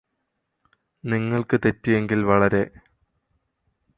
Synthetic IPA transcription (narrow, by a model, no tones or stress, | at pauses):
niŋːɐɭkɨt̪e̞tːije̞ŋɡilʋɐɭɐɾe̞